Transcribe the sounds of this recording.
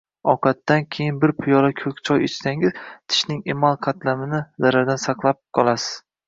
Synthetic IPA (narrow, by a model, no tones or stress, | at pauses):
ɒqʰɑt̪ːankʲʰe̞jɪnbɪɾpʰʊjɒɾakʲʰɵkʲt͡ʃʰɒjet͡ʃʰsaŋɪz̥t̪ʰɪ̥ʃnɪŋemalˠqʰɑt̪ʰlamɪnɪzaɾaɾd̪ansɑqlˠap̚qʰɒlˠasɪ̥z̥